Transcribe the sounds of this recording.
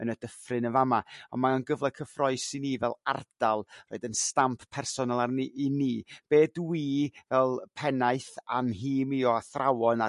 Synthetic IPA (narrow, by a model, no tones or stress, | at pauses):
ənəd̥əfrɨnəvamaɔ̰nmaɔnɡəvlˠɛkʰəfrɔɨ̥siniːvɛlˠa̰rd̥alˠroːɨdənstampʰpʰɛrsɔnalˠarniʔiniːb̥eːdwiːvɛlˠpʰɛnaɨθanɦiːmiɔaθrʔawɔna